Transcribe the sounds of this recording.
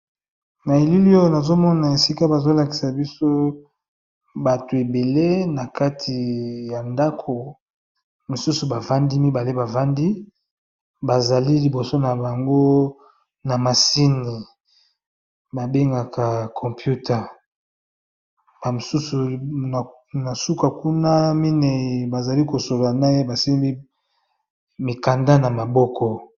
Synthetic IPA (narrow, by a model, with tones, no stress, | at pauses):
ma˨e˨li˦li˦o˦jo˦na˨zo˦mɔ˦na˨e˨si˦ka˦ba˨zo˦la˨ki̥˨sa˨bi˦so˦ | ba˨to˨e˨be˨le˦na˨ka˦tʰi˨ja˨nda˦kʰo˨ | mi˨su˦su˨ba˨va˦ndi˦mi˦ba˨le˦ba˨va˦ndi˦ | ba˨za˨li˦li˨bo˨so˦na˨ba˨ŋɡo˦ | na˨ma˨si˦ni˨ | ba˨be˦ŋɡa˨kʰa˨kʰɔ˨mpju˦tʰa˨ | ba˨mo˨su˦su˨ | na˨su˦ka˨ku˦na˦mi˦ne˨i˨ba˨za˨li˦ko˨so˨lo˨a˨na˦je˦ba˨si˦bi˦ | mi˨ka˨nda˦na˨ma˨bɔ˦kʰɔ˦